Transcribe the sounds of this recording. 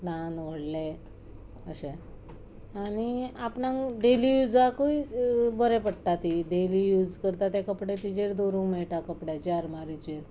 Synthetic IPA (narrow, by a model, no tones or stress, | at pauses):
nanʋəɽle | əɕẽ | añiapɳãŋɖelijud͡zakoibəɾɛpəɽt̪at̪iɖelijud͡zkəɾt̪at̪jekəpɽet̪id͡ʑeɾd̪oɾũŋɡmeɭʈ̪akəpɽjat͡ɕeəɾmaɾit͡ɕeɾ